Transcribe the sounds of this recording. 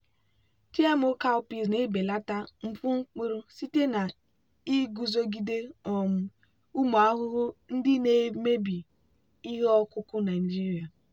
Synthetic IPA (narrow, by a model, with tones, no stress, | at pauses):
ti˦e˦m˦o˦ka˦ʊ˦pi˨zne˨˦be˨la˦ta˦ŋ͡m̩˦pʊ˦ŋ͡m̩˦k͡pi˦ɾʊ˦si˦te˦na˨ | i˦ɡu˨zo˦ɡi˦de˦ɔ˨m̩˨ | u˦mo˨a˦ɦʊ˦ɦʊ˦n̩˦dɪ˦ne˨me˦bi˨ | i˦ɦe˦ɔ˦kʊ˦kʊ˦na˨d͡ʒi˦ɾi˨a˨